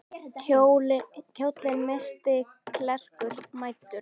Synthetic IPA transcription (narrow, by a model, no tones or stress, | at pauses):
cʰoːwt̪lɪnmɛst̪ɪ | kʰlɛr̥kʏɾ̥maːjt̪ːʏ̥